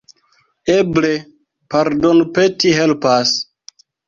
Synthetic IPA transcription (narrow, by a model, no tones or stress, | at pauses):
eble | paɾdonupetiɦelpas